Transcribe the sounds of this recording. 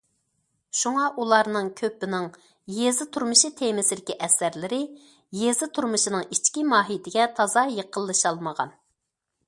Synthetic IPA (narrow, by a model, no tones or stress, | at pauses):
ʃuŋɑʔulˠɑɾnɨŋkʲʰøpːɪnɪŋ | jezɪt̪ʰuɾmɨʃit̪ʰemɪsɪd̪ɪkʲiʔɛsæɾlɪɾɪ | jezɪt̪ʰuɾmɨʃinɨŋit͡ʃkʲimɑːɦit̪ʰɪɡʲɛt̪ʰɑzɑjeqʰəlˠːɨʃɑlˠməʁɑ̰n